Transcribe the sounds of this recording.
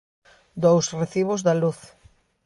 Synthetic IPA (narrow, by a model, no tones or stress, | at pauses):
d̪owsreθiβʊzðɐluθ